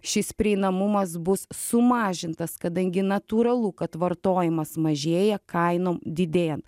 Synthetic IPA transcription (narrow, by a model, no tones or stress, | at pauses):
ʃʲɪspʲɾʲɪɛɪnɐmʊmɐsbʊssʊmɑːʒʲɪnt̪ɐskɐd̪ɐŋʲɡʲɪnɐt̪uːɾɐlˠukɐt̪ʋɐɾt̪oːjɪmɐsmɐʒʲeːjɛkɐɪnoːmd̪ʲɪd̪ʲeːjɛnt̪